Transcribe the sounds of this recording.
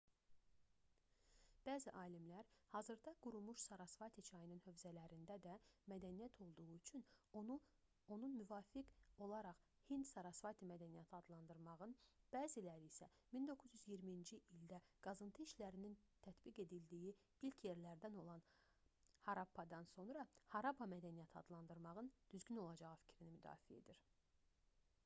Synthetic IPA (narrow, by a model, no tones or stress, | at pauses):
b̥æːziʔɑːlimlæɾhɑːzɯɾd̪ɑɡ̥uɾumuʃsɑɾɑsvɑt̪ʰit͡ʃʰɑjɯnɯnhø̞vzælæɾind̪æd̪æmæd̪ænijæt̪ʰo̞lˠd̪uʁuyt͡ʃʰyn | o̞nunmyvɑːfiko̞lˠɑɾɑχhind̪sɑɾɑsvɑt̪ʰimæd̪ænijæt̪ʰiɑd̪lˠɑnd̪ɯɾmɑʁɯnb̥æːzilæɾiːsæ | mind̪o̞kʰːuzjyzjiɾmiind͡ʒiʔild̪æɡ̥ɑzɯnt̪ʰɯiʃlæɾinint̪ʰæt̪biɡe̞d̪ild̪iji | ilcʰje̞ɾlæɾd̪æno̞lˠɑn | hɑɾɑpʰːɑd̪ɑnso̞nɾɑhɑɾɑpɑmæd̪ænijæt̪ʰiɑd̪lˠɑnd̪ɯɾmɑʁɯnd̪̥yzɟyno̞lˠɑd͡ʒɑʁɯfi̥cʰɾinimyd̪ɑ̰ːfied̪iɾ